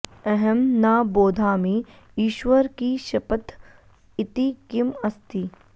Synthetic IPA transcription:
ɛɦɛmnaːboːd̪ʱaːmẽ | iːʃʋəɾkiʃɐpət̪ | ɪt̪ikɪmɐst̪i

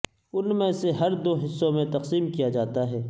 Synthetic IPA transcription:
ʊnmẽseɦɐɾd̪oːɦɪsːõmẽt̪ɐqsiːmkijad͡ʒaːt̪aɦɛː

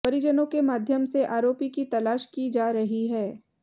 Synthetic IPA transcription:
pɐɾɪd͡ʒənõkemaːd̪ʱjəmseʔaːɾoːpikit̪ɐlaːʃkid͡ʒaːɾɐɦiɦɛː

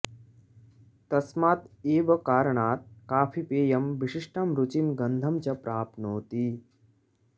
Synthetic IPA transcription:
t̪ɐsmaːt̪eːʋɐkaːɾɐɳaːt̪̚kaːpʰipeːjɐmʋiʂiʂʈʰaːmɾut͡ʃinɡɐnd̪ʱɐmt͡ʃɐpɾaːp̪̚noːt̪iː

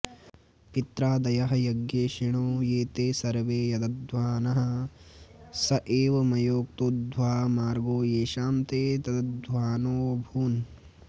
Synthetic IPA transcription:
pit̪ɾaːd̪ɐjɐɦɐ̆jɐɡjeːʃiɳoːjeːt̪eːsɐɾʋeːjɐd̪ɐdd̪ʋaːnɐɦɐ̆ | sɐʔeːʋɐmɐjoːk̚t̪uːd̪ʋaːmaːɾɡoːeːʃaːmt̪eːt̪ɐd̪ɐd̪ʋaːnoːbʱuːn

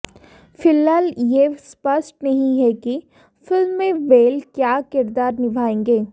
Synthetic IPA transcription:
fɪlɦaːljespɐsʈnɐɦĩɦɛki | fɪlmːẽʋeːlkjaːkɪɾd̪aːɾnɪbʱaːẽːŋɡeː

